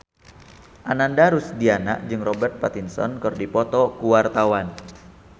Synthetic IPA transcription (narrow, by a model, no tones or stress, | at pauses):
ʔanandaɾusdiana̰ʔd͡ʒɨŋrɔbɛrt̪̚pat̪insɔ̰nkɨrdipɔt̪ɔkuwart̪awan